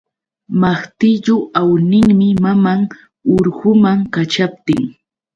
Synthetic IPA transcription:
maχt̪ɪʎʊʔawnɪŋmɪmamaŋ | ʊɾɢʊmaŋkat͡ʃap̚t̪ɪŋ

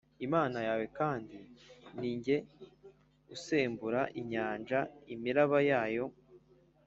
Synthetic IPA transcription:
imaːnajaːwe̞kaːndiniːɲɟe̞ | ɡuseːmbuɾaʔiɲaːnd͡ʒaimiɾaβajaːjo̞

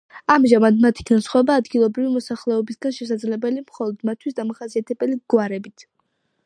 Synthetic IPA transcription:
amʒamad̪mat̪ʰi̥kʰnasχwɛbaːd̪ɡilˠɔbɾivimɔsaχlɛɔbisɡanʃɛs̬ad̪zlɛbɛlimχɔlˠɔd̪̥mat̪ʰwisd̪amaχasiat̪ʰɛbɛliɡwaɾɛbit̪ʰ

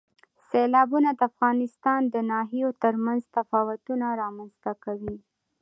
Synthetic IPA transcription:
selɑbunad̪əafɣɑnɪst̪ɑnd̪ənɑɦijot̪əɾmanzt̪afɑwat̪unaɾɑmanzt̪akawi

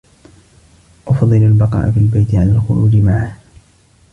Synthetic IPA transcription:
ʔɑfd̪ˤːɨlalbɑqɑ̰ːʔafiːlbajt̪ɪʕalaːlxʊɾuːd͡ʒɪmaʕah

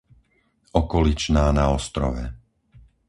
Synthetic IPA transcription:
ɔkɔlit͡ʃnaːnaɔst̪ɾɔ̰ʋɛ

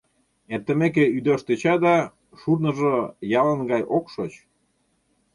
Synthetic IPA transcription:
ert̪ə̆mek̬eyd̪oʃt̪et͡ɕɑd̪ɑ | ʃurnɤ̆ʒojɑlə̆nɡɑjʔokʃot͡ɕ

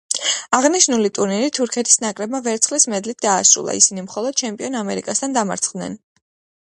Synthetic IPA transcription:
aʁniʃnulit̪ʼuɾniɾit̪ʰuɾkʰɛt̪ʰi̥snakʼɾɛb̚mavɛɾt̪sʰχlismɛd̪lit̪̚ʰd̪aːsɾṵlˠa̰ḭsinimχɔlˠɔd̪̥̚t͡ʃʰɛmpʼiɔnamɛɾḭkʼast̪ʰand̪ama̰ɾt̪sʰχd̪nɛ̰n

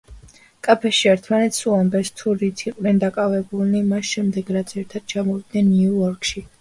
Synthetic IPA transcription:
kʼapʰɛʃiɛɾt̪ʰmanɛt̪ʰsuambɛɾst̪ʰuɾit̪ʰiqʼnɛnd̪akʼavɛbulnimasʃɛmd̪ɛɡɾat̪sʰɛɾt̪ʰad̪̥̚t͡ʃʰamɔvid̪nɛnːiuɔɾkʼʃi

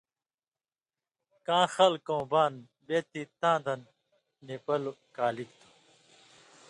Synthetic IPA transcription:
kãːxɐlkõːbaːn | beːt̪it̪ãːd̪ɐnː | epɐlokaːlikt̪u̥

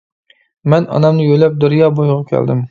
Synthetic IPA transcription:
mɛnɑ̰nɑmnɪjølɛp̚d̪oɾjɑːbojʁɑkʲʰæ̰ld̪ɪm

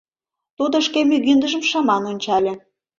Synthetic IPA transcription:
t̪ud̪ŏʃkemyɣynd̪əʒə̆mʃɑmɑnonʲt͡ɕɑlʲĕ

